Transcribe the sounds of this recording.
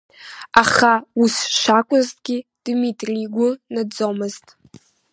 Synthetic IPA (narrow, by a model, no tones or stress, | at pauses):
aχausʃʷakʷʼʊztʼɡʲid̥mitʼriɡʷʊnad͡zomɨztʼ